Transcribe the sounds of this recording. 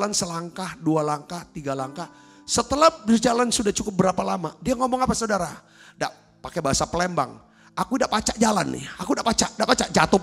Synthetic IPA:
lansəlaŋkahdualaŋkaht̪iɡalaŋkah | sət̪əlahd͡ʒalansudaht͡ʃukʊp̚bəɾapalamadiaŋɔmɔŋapasaudaɾa | daʔ | pakebaɦasapəlemba̰ŋ | ʔakudaʔpat͡ʃaʔd͡ʒala̰nːɪ̰hakudaʔpat͡ʃaʔdaʔpat͡ʃaʔd͡ʒat̪ʊ

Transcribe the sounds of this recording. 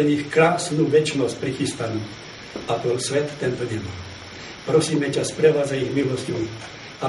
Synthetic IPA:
ɛɲixkɾaːsnuʋɛt͡ʃnɔsc̚ʲpɾixist̪anu | at̪ɔlsʋɛt̪ːɛnt̪ɔɲɛmɔn | pɾɔsiːmɛcaspɾɛʋad͡zaiɣmilɔscɔ | a

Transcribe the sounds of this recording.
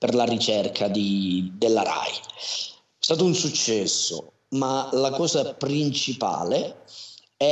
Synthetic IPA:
perlarit͡ʃɛrkʰad̪id̪elːaɾa̰j | ɛst̪aːt̪ounsut͡ʃːɛsːo̰ | malakɔːzapɾint͡ʃipa̰ːle | ɛ

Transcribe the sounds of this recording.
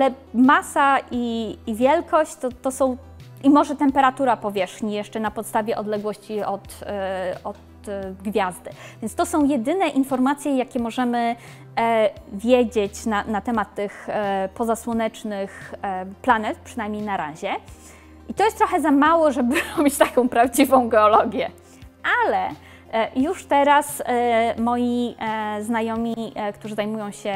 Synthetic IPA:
alɛ | masaʔiːvʲjɛlkɔɕt͡ɕt̪ɔt̪ɔsɔ̃w̃ | imɔʐɛt̪ɛmpɛɾat̪uɾapɔvʲjɛʂxɲijɛʂt͡ʂɛnapɔt̪st̪avʲjɛʔɔd̪lɛɡwɔɕt͡ɕiɔt̪ | ɔt̪ | ɡvʲjazd̪ɘvʲjɛnt̪st̪ɔsɔ̃w̃jɛd̪ɘnɛʔinfɔɾmat̪sʲjɛjakʲɛmɔʐɛmɘ | vʲjed͡ʑet͡ɕnanat̪ɛmat̪ːɘxpɔzaswɔnɛt͡ʂnɘxplanɛt̪̚pʂɨnajmʲɲejnaɾa̰ʑɛ | ʔit̪ɔjɛst̪t̪ɾɔxɛzamawɔʐɛbɘɾɔbʲit͡ɕt̪akɔ̃w̃pɾavd͡ʑivɔ̃w̃ɡɛɔlɔɡʲjɛ | ʔalɛ | juʂt̪ɛɾasmɔjiznajɔmʲikt̪uʐɨzajmujɔ̃w̃ɕɛ

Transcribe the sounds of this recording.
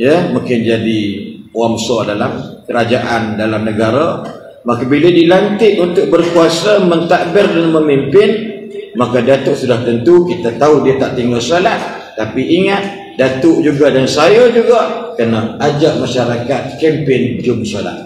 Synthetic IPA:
jəmuŋkɪnd͡ʒadiwamsɔdalamkəɾad͡ʒaʔandalamnəɡaɾa | makabilədilant̪ɪʔunt̪ʊk̚bərkuasəmənt̪aʔbɪrdanməmimpɪnmakadat̪ʊʔsudaht̪ənt̪ukit̪at̪audiat̪aʔt̪iŋɡalsolat̪̚ːapiːŋat̪̚ | dat̪ʊʔd͡ʒuɡadansajəd͡ʒuɡakərnaad͡ʒaʔmaʃaɾakat̪̚kɛmpɪnd͡ʒʊmsola̰t̪̚

